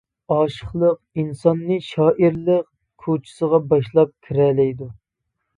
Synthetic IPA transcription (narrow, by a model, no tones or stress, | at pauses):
ɑːʃəχlˠəq̚insɑnːɨʃɑːʔiɾlˠəq | kʰut͡ʃʰi̥səʁɑbɑʃlˠɑp̚kʲʰiɾɛlɛjd̪u